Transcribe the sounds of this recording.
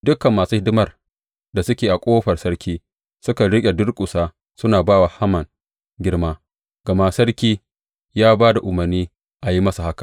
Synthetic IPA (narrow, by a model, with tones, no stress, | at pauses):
dʊ˦kɐ˨mːaː˨suː˦hɪ˦dɪ˦mɐ˦r | da˨sʊ˦kʲeː˨ʔa˨kʷʼoː˦ɸɐ˨rsɐ˦ɽkʲiː˦ | sʊ˦ka˨ɽɪ˦kʲʼe˨dʊ˦rkʷʼʊ˨saː˦ | sʊ˦naː˨baː˦wa˨ha˦mɐ˨ŋ | ɡʲɪ˦rmaː˦ | ɡ̥ɐ˨ma˦sɐ˦ɽkʲiː˦ | jaː˦baː˦da˨ʔʊ˨mɐ˨rniː˦ | ʔa˨ji˦mɐ˦sa˨ha˦kḁ˨ʔ